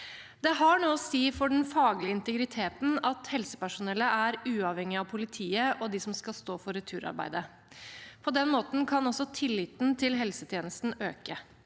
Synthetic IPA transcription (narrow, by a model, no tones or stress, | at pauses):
d̪ɛɦɑɳoːsiːfɔɖn̩fɑːɡlɪəɪnt̪əɡɾɪt̪ʰeːt̪n̩ɑt̪hɛlsə̥pæʂʊnɛlːəʔæɾʉːɑʋhɛŋɪɑʋpʰʊlɪt̪ʰiːəʔɔd̪ɪsɔmskɑlst̪oːfɔɾɛt̪ʰʉːɾɑ̰ɾbæ̰ɪd̪ə | pʰɔd̪ɛnmoːt̪n̩kʰɑnɔsɔt̪ʰɪlːɪt̪nt̪ʰɪlɦɛlsət̪ʰjeːnəst̪n̩ø̰ːkə